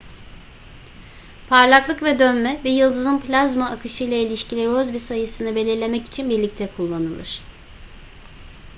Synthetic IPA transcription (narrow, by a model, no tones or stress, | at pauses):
pʰaɾlˠaklˠɯkvɛd̪ønmɛbijɯlˠd̪ɯzɯnplʲazmaːkɯʃɯjlˠailʲiʃcilʲiɾozbisajɯsɯnɯbe̞lʲiɾlʲe̞mɛci̥t͡ʃʰinbiɾlʲict̪ʰɛkʰulˠːanɯlˠɯɾ̥